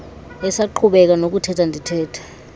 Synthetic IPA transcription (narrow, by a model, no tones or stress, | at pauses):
ɛsaǃʰuɓɛk̬anok̬utʰɛtʰandʱitʰɛːtʰḁ